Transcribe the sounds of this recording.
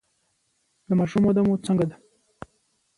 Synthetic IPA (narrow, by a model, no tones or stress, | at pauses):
d̪əmaːʃumod̪amot͡səŋɡad̪a